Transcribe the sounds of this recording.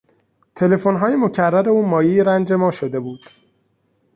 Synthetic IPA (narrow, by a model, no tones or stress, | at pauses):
t̪ʰe̞le̞fonɦɒːjemocʰærːæɾe̞uːmɒːjiːɾænd͡ʒe̞mɒːʃod̪e̞buːd̪̥